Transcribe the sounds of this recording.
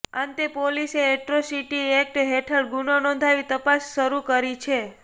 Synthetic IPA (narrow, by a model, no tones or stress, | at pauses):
ãnt̪epoliseɛʈɾosiʈiek̚ʈɦeʈʰəɽɡunonɔ̃nd̪ʱaʋit̪əpasʃəɾukəɾit͡ʃʰe